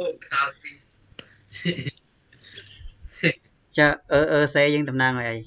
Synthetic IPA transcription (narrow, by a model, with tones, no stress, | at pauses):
a | t͡ɕaːʔəː˧ʔəː˧seːjəː˧ŋt̪ɑmnaːŋʔə˧jʔə˧j